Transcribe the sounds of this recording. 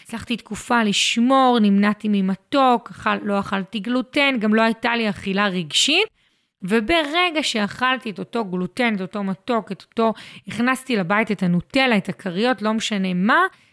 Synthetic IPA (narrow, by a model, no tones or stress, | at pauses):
slaχt̪itkufaliʃmo̞ʁnimnatimimato̞kaχalo̞aχaltiɡlute̞nɡamlo̞ajtaliaχilaʁiɡʃit̚ | vebeʁeɡaʃeaχaltieto̞to̞ɡlute̞neto̞to̞mato̞keto̥to̞iχnastilabaitetanote̞laetakʰaʁijo̞tlo̞meʃane̞ma